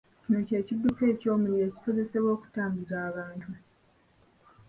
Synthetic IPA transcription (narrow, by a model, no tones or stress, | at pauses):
cino̞ce̞ːcidːuke̞ːco̞ːmuɾieːci̥ko̞ze̞se̞βwo̞ːku̥taːmbiɾaːβaːntʰu